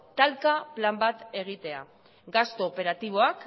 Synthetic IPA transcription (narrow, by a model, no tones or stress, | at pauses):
t̪alkaplambat̪e̞ɣ̞it̪e̞a̰ | ɡast̪o̞ːpe̞ɾat̪iβ̞o̞ak